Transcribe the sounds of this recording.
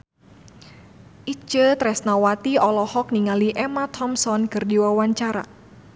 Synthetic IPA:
ʔit͡ʃət̪ɾɛsnawat̪iɔlɔhɔk̚niŋaliʔɛmat̪ʰɔmsɔnkɨrdiwawaɲt͡ʃaɾa̰

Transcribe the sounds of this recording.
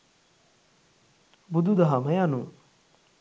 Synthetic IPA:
bud̪ud̪ɐɦamɐjanu

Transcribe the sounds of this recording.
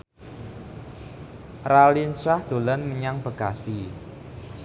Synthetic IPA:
ralinsahd̪̥o̤lanməɲaŋb̥ə̤ɡ̥asi

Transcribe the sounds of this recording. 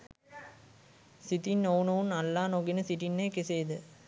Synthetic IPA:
sit̪inːownəʋunalːaːnoɡinəsiʈinːejkeseːd̪ə

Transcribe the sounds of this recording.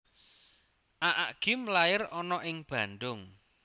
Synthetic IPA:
ʔaʔaɡ̥ɪmlaɪrɔnɔʔɪŋb̥ä̤nɖ̪ʊŋ

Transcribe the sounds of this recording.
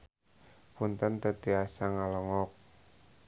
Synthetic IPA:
punt̪ənt̪ət̪iasaŋalɔŋɔk̚

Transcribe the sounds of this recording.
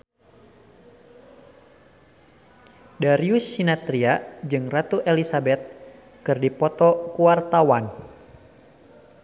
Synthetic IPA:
daɾiusːinat̪ɾiad͡ʒɨŋrat̪uʔelisabɛt̪̚ | kɨrdipɔt̪ɔkuwart̪awan

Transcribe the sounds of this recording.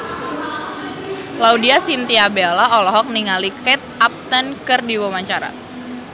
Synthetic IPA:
laudiasint̪iabelaɔlɔɦɔk̚niŋalikɛt̪̚ap̚t̪ənkɨrdiwəmaɲt͡ʃaɾa̰

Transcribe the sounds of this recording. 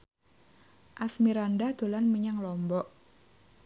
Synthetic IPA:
ʔasmiɾandad̪̥o̤lanmiɲaŋlɔmbɔʔ

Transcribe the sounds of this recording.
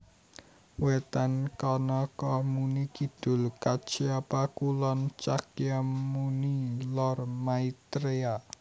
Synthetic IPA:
wet̪ankɔnɔkɔmunikid̪̥ʊ̤lkat͡ʃiapakulɔnt͡ʃakjamunilɔrmait̪ɾea

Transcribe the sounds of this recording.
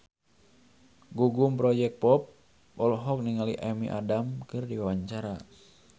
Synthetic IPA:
ɡuɡumpɾɔd͡ʒɛk̚pɔp̚ | ʔɔlɦɔk̚niŋalḭʔamiʔa̰damkɨrdiwawaɲt͡ʃaɾa

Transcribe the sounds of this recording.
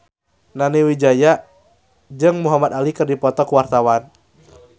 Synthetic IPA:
naniwid͡ʒaja | d͡ʒɨŋmuɦamat̪alikɨrdipɔt̪ɔkuwart̪awan

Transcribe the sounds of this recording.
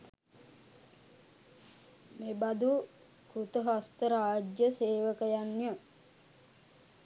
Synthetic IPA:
mebad̪u | kut̪əɦast̪əɾaːd͡ʒjəseːʋəkəjanːjə

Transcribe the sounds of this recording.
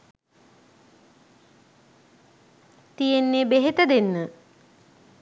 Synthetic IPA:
t̪ijenːeːbeɦet̪əd̪enːə

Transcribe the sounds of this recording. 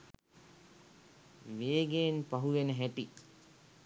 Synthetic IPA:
ʋeːɡeːnpaɦuʋenəɦæʈi

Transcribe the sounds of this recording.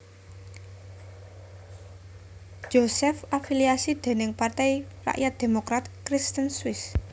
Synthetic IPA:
d͡ʒ̥osɛfafiliasid̪̥e̤nɪŋpart̪ɛjra̰ʔjʔat̪̚d̪̥e̤mokɾat̪̚kɾist̪ənswɪs

